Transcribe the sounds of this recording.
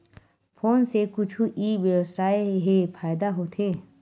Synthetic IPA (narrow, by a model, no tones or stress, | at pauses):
pʰoːnsekʊt͡ʃʰuʔiːʋewsaːeɦepʰaːɪd̪aɦoːt̪ʰeː